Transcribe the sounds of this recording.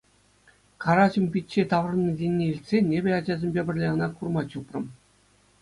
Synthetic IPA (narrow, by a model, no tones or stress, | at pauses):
kʰɑɾɑʑɤ̆mʲpʲit̪ʲt͡ɕːet̪ɑʋrnɤ̆dʲenʲːeilʲt̪ʲsʲenʲebʲĕɑd͡ʑɑzʲĕmʲbʲebʲɘ̆rʲlʲeʁɤ̆nɑkurmɑt͡ɕuprɤ̆m